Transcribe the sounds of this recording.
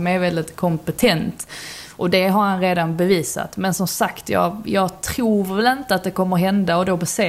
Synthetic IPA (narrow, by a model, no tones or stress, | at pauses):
mæɾvɛld̪ɪt̪kʰɔmpɛt̪ʰɛnt̪ʔɔd̪ɛɦaɾhanɾeːd̪anbɛviːsa̰t̪mɛnsɔmsakt̪ʰjɑ̰ːɡjɑːɡt̪ʰɾuːvɛlɪnt̪əat̪̚d̪ɛkʰɔmːəɾɦɛnd̪aɔd̪obɛseː